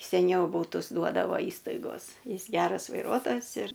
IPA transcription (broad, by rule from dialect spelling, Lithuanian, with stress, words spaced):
sʲɛˈnʲɛʊ ˈbuːtʊs ˈduɔdɐʋoː ˈiːstɐɪɡoːs ˈjɪs ˈɡʲæːrɐs ʋɐɪˈruɔtoːjɛs ɪr